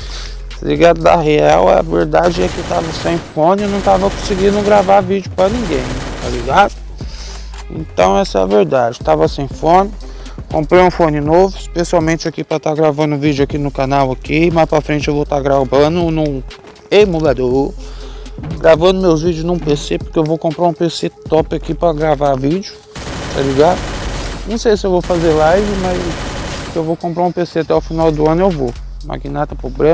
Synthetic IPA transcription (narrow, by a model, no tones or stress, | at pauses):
liɡad̪ʊd̪ɐ̰ɦeawɐ̰veɾd̪ad͡ʒɪɛket̪avɐsẽj̃fõnɪnɐ̃w̃t̪avɐkõsɪɡĩd̪ʊɡɾavaɾvid͡ʒʊpɾɐnĩɡẽj̃t̪aliɡad̪ʊ | ḛ̃t̪ɐ̃w̃ɛsɐɛɐveɾd̪ad͡ʒɪt̪avɐsẽj̃fõnɪ | kõpɾejũfõnɪnovʊispesiawmẽnt͡ʃɪakipɾɐt̪aɡɾavɐ̃nd̪ʊ̃vid͡ʒʊakinʊkanawakimaspɾɐfɾẽnt͡ʃɪewvowt̪aɾɡɾavɐ̃nʊnʊ̃ | emulad̪oɾ | ɡɾavɐ̃nd̪ʊmewzvid͡ʒʊznũpesepʊɾkeewvowkõmpɾaɾũpeset̪ɔpɪakipɾɐɡɾavavid͡ʒʊ | t̪aliɡad̪ʊnɐ̃w̃sejsɪewvowfazeɾlajvɪmɐzkewvowkõmpɾaɾũpeseat̪ɛʊfinawd̪ʊɐ̃nʊewvo | ma̰ɡinat̪ɐpobɾẽ